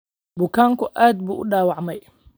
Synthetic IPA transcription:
bʊkʰaːŋkʰʊʔaːd̪̚buːʔʊɖaːwɑʕmɛj

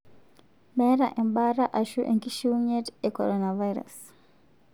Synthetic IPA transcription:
mɛɾaʔɛmɓaɾaʔaʃuʔɛ̰ŋkiʃiuɲɛtɛkɔɾɔnavajɾa̰s

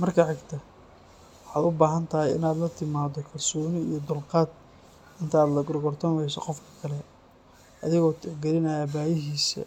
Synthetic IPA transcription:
mɐrkʰɐʕɪɡt̪ʰɐ | wħɑːd̪ʊbaːɦɐnt̪ʰɐɦɛjɪ̰naːd̪lɐt̪ʰɪmaːd̪ɔkʰɐlsɔːnɪijɞd̪ʊlqɑːd̪̚ | ɪnt̪ʰɐːd̪lɐɡɔɾɡɔrt̪ʰɔmɛjsɔ̰qɔfkʰɐ̥kʰɐlɛ | ʔɐðɪɣɔːt̪ʰɪɡɛɾɪnɐjaːbaːjɪɦiːsɐ̰

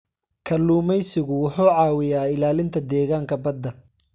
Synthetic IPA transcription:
kʰɐlːuːmɛjsɪɣʊwʊħuːʕɑːwɪjaːɪlaːlɪnt̪ʰɐd̪ɛːɣaːŋkʰɐbɐd̪ːɐ

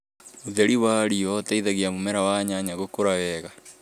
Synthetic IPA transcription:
oðeɾiwaːɾiɔtaiðaɣiamumɛɾawaːɲaɲaɣokoɾawɛːɣa

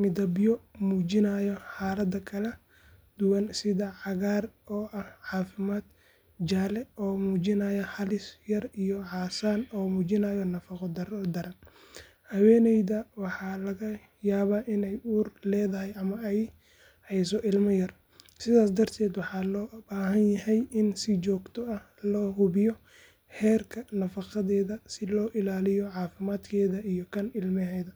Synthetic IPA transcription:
mɪd̪ɐbɪjɔmuːd͡ʒɪnaːjɔħɑːlɐd̪ɐkʰɐlɛ | d̪̥ʊwɐnsɪðɐʕɑɣaːrɔːʔɐhʕɑːfɪmaːd̪ | d͡ʒaːlɛɔːmuːd͡ʒɪnaːjɐhɐlɪsjɐrijɔʕɑːsaːnɔːmuːt͡ʃɪnaːjɔnɐfɐqɔd̪ɐɾd̪ɐɾɐn | hɐwɛːnɛjðɐwɑħɑlɐɣɐ | jaːβaːʔɪnɛjuːrlɛːðɐɦɛjʔɐmɐɛj | hɛjsɔʔɪlmɐjɐr | sɪðaːsd̪ɐrt̪ʰɛːd̪wɑħɑːlɔːbaːɦɐnjɐhɛjɪnsɪt͡ʃɔːɡt̪ʰɔɐh | lɔːɦʊβɪjɔ | hɛːrkʰɐnɐfɑqɑðɛːðɐsɪlɔːʔɪlaːlɪjɔʕɑːfɪmaːd̪kʰɛːðɐʔijɔkʰɐnɪlmɪɦɛːðɐ

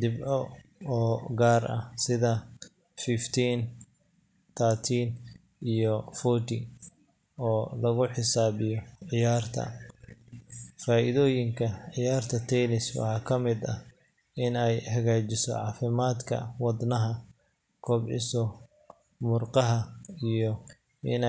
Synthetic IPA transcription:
d̪ɪbɔɔːɡaːrʔɐsɪðɐ | fift̪ʰiːn | t̪ʰaːt̪ʰiːn | ijɔfɔt̪i | ɔːlɐɣʊħɪsaːβɪjɔʕɪjaːrt̪ʰɐ̰ | faːʔɪðɔːjɪŋkʰɐʕɪjaːrt̪ʰɐt̪ʰɛnɪswɑ̰ħɑːkʰɐmɪd̪ɐ | ɪnɛjhɐɣaːt͡ʃɪsɔ̰ʕɑːfɪmaːd̪kʰɐ̰wɑd̪nɐɦɐ | kʰɔbʕɪ̰sɔ | mʊrqɑɦɐijɔ | ʔɪn

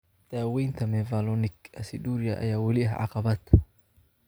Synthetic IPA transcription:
d̪̥aːwɛjnt̪ʰɐmɛvalɔnɪkɐsɪd̪uːɾɪjɐʔɐ̰jaːwɐlɪɐhʕɑ̰qɑβaːt̪

